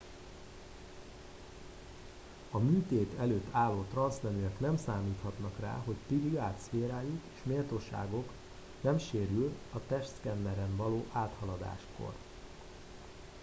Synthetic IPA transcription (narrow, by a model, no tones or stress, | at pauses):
ɒmyːt̪eːt̪ʰɛløːt̪ːaːlːoːt̪rɒnsnɛnyɛknɛmsaːmiːt̪hɒt̪nɒkra̰ːɦo̞ct̪iliaːt̪sfeːɾaːjukeːʃmeːlt̪oːʃa̰ːɡo̞k | nɛmʃeːɾylɒt̪ɛʃskɛnːɛɾɛnvɒloːʔaːt̪hɒlɒd̪a̰ːʃko̞̰r